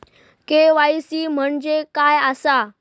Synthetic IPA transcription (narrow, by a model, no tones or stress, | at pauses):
keʋajsiːm̤əɳd͡ʑekajəsa